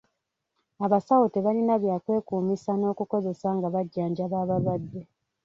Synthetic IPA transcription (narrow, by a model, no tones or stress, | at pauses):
aβasawoteβalinaβjaːkwe̞ːkuːmisano̞ːkuko̞ze̞saŋɡaβaɟːaːɲɟaβaːβalwad̪ːe̞